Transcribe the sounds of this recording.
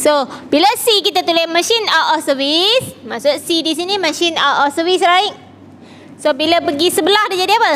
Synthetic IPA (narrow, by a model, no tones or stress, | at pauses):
sobilasikit̪at̪ulɪhmə̃ʃinaʔɔsəvismaʔsʊt̪̚sidisinimə̃ʃinaʔɔsəvislaɪʔ | sobilapəɡisəbəlahdid͡ʒadiapə